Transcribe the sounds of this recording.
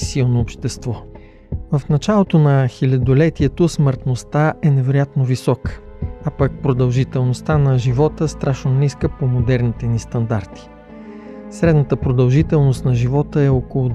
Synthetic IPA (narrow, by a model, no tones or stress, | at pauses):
silˠnoːpʃt̪ɛst̪vɔ | vəfnɐt͡ʃalˠot̪onɐxilʲɐd̪olɛt̪iɛt̪osməɾt̪nost̪aʔɛnɛvɛɾojat̪novisɔkə̥ | apak̚pɾod̪ɐlˠʒit̪ɛlˠnost̪anɐʒivɔt̪əst̪ɾaʃnoniskəpomod̪ɛɾnit̪ɛnist̪ɐnd̪aɾt̪i̥ | sɾɛd̪nət̪əpɾod̪ɐlˠʒit̪ɛlˠnost̪nɐʒivɔt̪əɛɔkolˠʊd̪